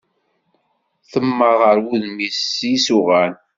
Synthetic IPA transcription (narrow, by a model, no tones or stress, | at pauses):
θəmːəʁəɾwuðmissʊʁæn